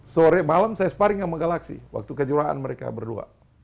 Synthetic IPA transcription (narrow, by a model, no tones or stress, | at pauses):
soɾɛmalamsajasə̥paɾɪŋjaŋməŋɡalaksḭwa̰k̚t̪ukəd͡ʒuɾaʔa̰nməɾeka̰bərdua̰